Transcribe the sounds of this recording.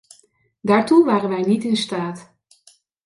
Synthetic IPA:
daːɹtuʋaːrənʋɛjnitɪnstaːt

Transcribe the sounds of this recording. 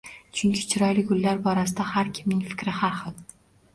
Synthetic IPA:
t͡ʃʰʊŋkʲʰɪt͡ʃʰɪɾɒjlɪɡʊlːaɾbɒɾasɪd̪ahaɾkʲʰɪmnɪŋfɪ̥kʲɾɪhaɾχɨlˠ

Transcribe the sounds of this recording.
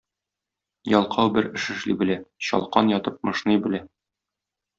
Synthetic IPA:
jɒlˠqʰɑwbɘɾɘ̆ʃɘ̆ʃlibɘ̆læɕɒ̰lˠqɑnjɒt̪ɤp̚mɤ̆ʃnɤjbɘ̆læ

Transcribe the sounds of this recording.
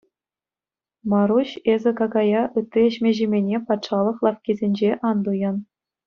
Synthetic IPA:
mɑɾuɕezʲɘ̆kɑɡɑjɑʔɯt̪ːiĕɕmʲeʑemʲenʲepɑt̪ʂɑlˠɤ̆χlˠɑfkʲizʲenʲd͡ʑeʔɑnd̪ujɑn

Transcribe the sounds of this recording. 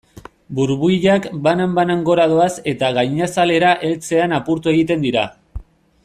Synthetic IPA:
buɾβuiʎakbanambanaŋɡo̞ɾað̞oase̞t̪aɣajɲasale̞ɾaʔe̞lt͡se̞anapuɾt̪ue̞ɣit̪e̞nd̪iɾa

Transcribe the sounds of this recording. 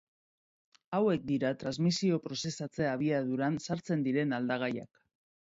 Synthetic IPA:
awe̞k̚d̪iɾat̪ɾazmisio̞pɾo̞se̞sat͡se̞aβ̞iað̞uɾansaɾt͡se̞nd̪iɾe̞nald̪aɣ̞aja̰k

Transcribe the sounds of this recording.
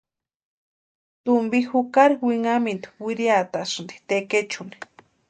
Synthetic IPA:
t̪umbixukaɾiwiŋamind̪i̥wiɾiat̪asɨnd̪i̥t̪eket͡ʃuni̥

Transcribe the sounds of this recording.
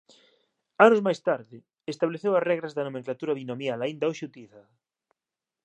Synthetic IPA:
anʊzmajst̪aɾðɪ | est̪aβleθewɐsrɛɣɾazðanomẽŋklat̪uɾɐβinomjalaind̪aoʃut̪iθɐ

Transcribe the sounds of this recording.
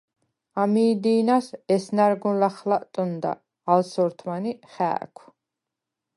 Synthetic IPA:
amiːd̪iːnasɛsnaɾɡũnlaχlaʔt̪ʼɔnd̪a̰ː | lsɔɾt̪ʰmaniχæ̰ːkʷʰ

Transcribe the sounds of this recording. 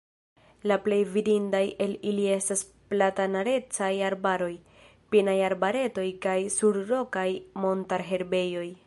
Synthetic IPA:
laple̞jvidindaje̞lilie̞stas | platanaɾe̞t͡sajaɾbaɾo̞j | pinajaɾbaɾe̞to̞jkajsuɾɾo̞kajmo̞ntaɾɦe̞ɾbe̞jo̞j

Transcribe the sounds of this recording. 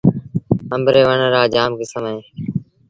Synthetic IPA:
əmbɾeːʋəɳəɾaːd͡ʒaːmkɪsəmẽː

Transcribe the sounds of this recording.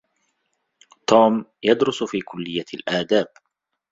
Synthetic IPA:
t̪uːmjad̪ɾʊsfiːkʊlːɪjːalʔaːd̪aːb

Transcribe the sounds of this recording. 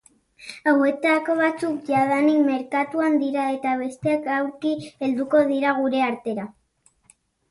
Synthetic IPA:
awe̞t̪akoβ̞at͡sukʝaðanikme̞ɾkat̪uand̪iɾae̞t̪aβe̞st̪eakawɾkie̞ld̪uko̞ð̞iɾaɣ̞uɾe̞aɾt̪e̞ɾa

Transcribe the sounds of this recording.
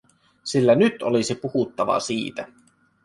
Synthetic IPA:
silːænyt̪olisipuhut̪ːɑʋɑ̰siːt̪æ

